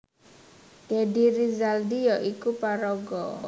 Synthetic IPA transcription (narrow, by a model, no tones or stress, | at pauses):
ɡ̥ediɾizaldiɔʔikupaɾɔɡɔ